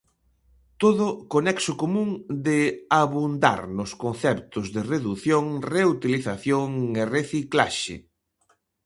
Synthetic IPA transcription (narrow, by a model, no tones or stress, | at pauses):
t̪oðʊkonɛksʊkomũŋd̪ɪaβund̪a̰ɾnʊskonθɛpt̪ʊzðɪreðuθjoŋreut̪iliθaθjoŋereθiklaʃɪ̰